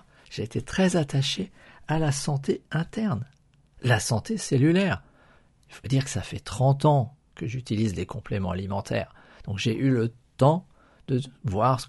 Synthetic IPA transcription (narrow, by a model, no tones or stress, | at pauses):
ʒ̥eːt̪et̪χɛzat̪aʃe | alasɑ̃t̪eɛ̃t̪ɛʁn | lasɑ̃t̪eselylɛʁ | ilfod̪iʁkə̥safɛt̪χɑ̃t̪ɑ̃ | kəʒyt̪ilizlekɔ̃plemɑ̃alimɑ̃t̪ʰɛ̰ːʁ | d̪̥ɔ̃kʒeʔylət̪ɑ̃ | d̪əvwaʁs